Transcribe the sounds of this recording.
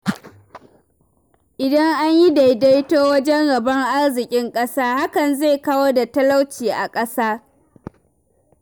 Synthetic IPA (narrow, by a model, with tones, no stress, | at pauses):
ʔɪ˨dɐ˦ŋʔa˦ɲji˦da˨jda˦jtoː˦wɐ˦d͡ʒɛ˦ŋɽɐ˨bɐ˦ŋʔa˦rzɪ˨kʲʼɪ˦ŋkʼɐ˦saː˦ha˦kɐ˨nza˦˨kaː˦woː˦da˨tɐ˦la˦wt͡ʃiː˨ʔa˨kʼɐ˦saː˦